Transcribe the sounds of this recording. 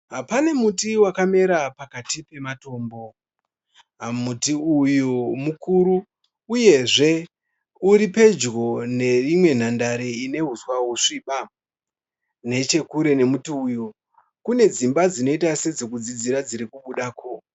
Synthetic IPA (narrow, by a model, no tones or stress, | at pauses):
ɦapane̞mutiwakame̞ɾapakatipe̞mato̞ːmbo̞ | amutiujumukuɾuː | je̞ʐe̞ | uɾipe̞d͡ʒɡo̞ne̞rimwe̞n̤andaɾeine̞ɦuswaɦuʂiɓa | ne̞t͡ʃe̞kuɾe̞ne̞mutiuju | kune̞d͡zimbad͡zino̞itased͡zo̞kud͡zid͡ziɾad͡ziɾikuɓuɗaːko̞